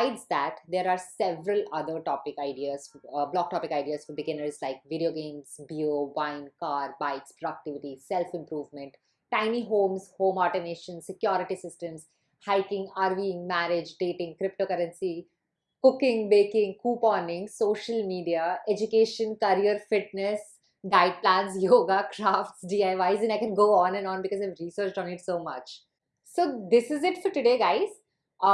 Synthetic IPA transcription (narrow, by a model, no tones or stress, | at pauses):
saɪɖsd̪æʈd̪eːɾaːɾsɛʋɾəlɐd̪əɾʈɔːpɪkaɪɖiazblɔːk̚ʈɔːpɪkaɪɖiazɔbɪɡɪnəɾzlaɪk̚ʋɪɖioːɡẽːnzbioʋãɪ̃nkaːɾbaɪkspɾoɖək̚ʈɪʋɪʈisɛlfɪ̃mpɾuːʋmɛ̃ɳʈ | ʈːãɪ̃niɦõːmshõːmɔːʈəɾneːʃə̃nsɪkjɔːɾɪʈisɪsʈə̃ms | haɪkɪ̃ŋɡaːɾʋĩŋmæɾɪd͡ʒɖeːʈɪ̃ŋkɾɪp̚ʈoːkɐɾə̃nsi | kʊkɪ̃ŋbeːkɪ̃ŋɡkuːpɔ̃ːnɪ̃ŋɡsoːʃəlmiːɖiaed͡ʒʊkeːʃə̃nkɐɾiəɾfɪʈ̚nɛs | ɖaɪplãːnsjoːɡakɾaːfʈsɖiːaɪʋaɪzɛ̃naɪkɛ̃nɡoːɔ̃ːnɛ̃nɔ̃ːnbɪkɔzaɪʋɾiːsəːɾt͡ʃʈɔ̃nɪʈsoːmɐt͡ʃ | soːd̪ɪsɪzɪʈfɔɾʈʊɖeːɡaɪz